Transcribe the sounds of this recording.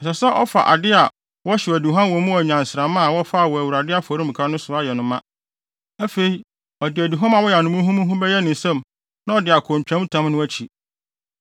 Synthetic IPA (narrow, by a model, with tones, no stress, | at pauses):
ɛ˨ɕɛ˨sɛ˦ʔɔ˦fa̰˨ʔa̰˨dɪ˦a˨ | wɔ˦ɕɛ˨æ˨du˨ɦã˦n˦wɔ˨mũ˦wɔ˨ɲã˨n̩˨sɪ˨ɾã˨mã˦˨wɔ˦fa˦˨wɔ˨æ˨wu˨ɾa˨dɪ˦a˦˨fɔ˨ɾĩ˦m̩˨kʰa˦nʊ̃˦sʊ˨a˦jɛ˨nʊ̃˨mã˦ | æ˦fe˨i˦ | ɔ˨dɪ˨æ˨du˨ɦã˦ma˨wɔ˦jɛ˨a˨nʊ̃˨mũ˦ɦũ˦mũ˦ɦũ˦bɛ˦jɛ˦nɪ̃˨sɛ̃˦˨m | nã˦ɔ˨dɪ˨a˨kʰõ˨m˨pᶣã˦m˦tʰã˦mnʊ̃˦æ˦t͡ɕʰi˨